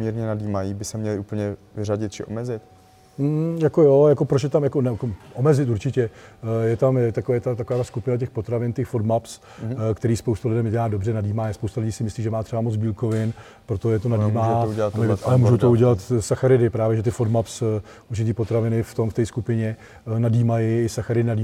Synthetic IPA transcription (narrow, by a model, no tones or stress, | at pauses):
mɲiɾɲɛnadiːmajibɪsɛmɲɛlɪʔupl̩ɲɛvɪraɟɪt̪̚t͡ʃɪʔo̰mɛzɪt̪ | m̩jako̞jojako̞pɾot͡ʃjɛt̪amjako̞nɛkoʔo̞mɛzɪt̪uɾt͡ʃɪcɛjɛt̪amjɛt̪akovɛjɛt̪at̪akovaːt̪askupɪnac̬ɛxpo̞t̪ɾavɪnt̪ɛxfod̪maps | kt̪ɛɾiːspowst̪ulɪdɛmɟɛlaːdobrɛnadiːmaːspowst̪alɪɟiːsɪmɪsliːʒɛmaːt̪r̥ɛbamod͡zbiːlko̞vɪn | pɾo̞t̪ojɛt̪onadimaɛaamɛvalɛmuːʒowt̪ouɟɛlat̪saxaɾɪdɪpɾaːvjɛʒɛt̪ɪfod̪maps | uɾt͡ʃɪt̪̬iːpo̞t̪ɾavɪnɪft̪o̞mft̪ɛskupɪɲɛ | nadiːmajɪɪsaxaɾɪdɪnadiː